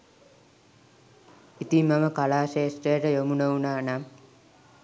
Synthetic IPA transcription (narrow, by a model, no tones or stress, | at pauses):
it̪imːaməkalaːʃeːsʈəjəʈəjomunəunaːnam